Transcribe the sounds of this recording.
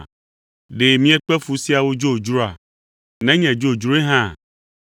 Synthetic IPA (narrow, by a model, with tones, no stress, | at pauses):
ɖe˨mĩ˦ɛ̃˦k͡pɛ˦fu˨si˦a˨wo˦d͡ʒo˦˨d͡ʒɾo˦a̰˨ | nɛ̃˦ɲɛ̃˨d͡ʒo˦˨d͡ʒɾo˦e˦ɦã˦˨